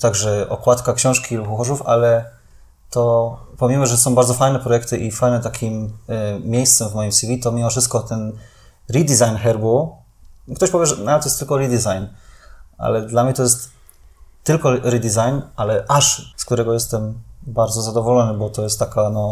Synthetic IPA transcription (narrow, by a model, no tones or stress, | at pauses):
t̪aɡʐɛʔɔkwat̪kakɕɔ̃w̃ʂkʲilupxuxɔʐufa̰lɛ | t̪ɔpɔmʲimɔʐɛsɔ̃w̃baɾd̪zɔfajnɛpɾɔjɛkt̪ɘʔifajnɛt̪akʲʰimːʲ | ejst̪sɛmvmɔjimsʲivʲit̪ɔmʲimɔfʂɘst̪̚kɔt̪ɛn | ɾid̪ʲizajnxɛɾbu | kt̪ɔɕpɔvʲjɛʐɛnaat̪ɔjɛst̪ːɘlkɔɾid̪ʲizajnʔa̰lɛd̪lamɲɛt̪ɔjɛst̪ː | ɘlkɔɾid̪izajnʔalɛʔaʂskt̪uɾɛɡɔjɛst̪ɛmbaɾdzɔzad̪ɔvɔlɔnɘbɔt̪ɔjɛst̪ːakanɔ